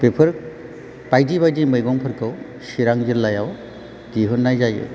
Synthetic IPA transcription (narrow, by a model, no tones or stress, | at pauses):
pepʰɯɾ̚ | pajd͡ʒibajd͡ʒiməjɡɔŋpʰəɾkɔw | ʃiɾaŋd͡ʒiɾlajaw | d͡ʒiɦunːajd͡ʒajɯ̰